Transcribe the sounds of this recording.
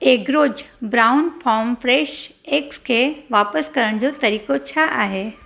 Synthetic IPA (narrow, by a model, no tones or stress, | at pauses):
eːkɾoːd͡ʑbɾaːʊnpʰɔːmfɾeːʃekskʰeʋaːpəskɐɾəɽ̃d͡ʑot̪ɐɾiːkot͡ɕʰaʔaːɦeː